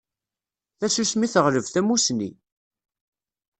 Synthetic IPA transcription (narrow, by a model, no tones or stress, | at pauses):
θæsusmiθəʁləvθæmusnḭ